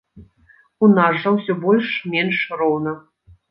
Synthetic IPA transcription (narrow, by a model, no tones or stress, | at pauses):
unazʐɐwsʲɔbɔlʲʂmʲɛnʂrɔwnɐ